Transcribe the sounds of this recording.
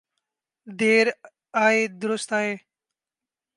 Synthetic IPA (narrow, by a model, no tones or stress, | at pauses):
d̪eːɾ | aːeːd̪ʊɾʊst̪aːɦeː